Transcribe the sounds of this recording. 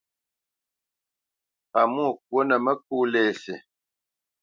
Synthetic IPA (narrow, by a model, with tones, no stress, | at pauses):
a˨mu˦˨k̚wo˦nə˨mə˦k̚uː˦lɛ˦˨se˨